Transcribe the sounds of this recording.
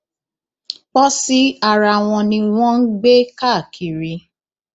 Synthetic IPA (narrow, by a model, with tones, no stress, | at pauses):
k͡pɔ˦si˦a˨ɾa˨w̃ɔ̃˧nĩ˧w̃ɔ̃˦n̩˦ɡ͡be˦ka˦˨kʰi˨ɾi˨˧